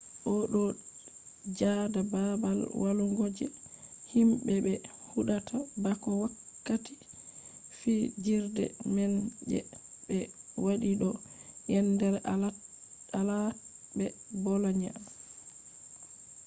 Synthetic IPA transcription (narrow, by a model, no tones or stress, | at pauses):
ʔɔɗɔ | d͡ʒadababalwʔaluŋɡod͡ʒɛ̰himbɛbɛhuɗatʰabakɔwakːati | fid͡ʒiɾdɛ̰mɛnd͡ʒɛ̰bɛwaɗiɗɔjɛndɛɾa | alabɛbɔlaɲam